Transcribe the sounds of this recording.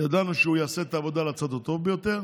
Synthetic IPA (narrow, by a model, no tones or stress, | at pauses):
jad̪anuʃeujaːse̞et̪aːvo̞d̪alat͡sad̪ot̪o̞vbejo̞t̪e̞ʁ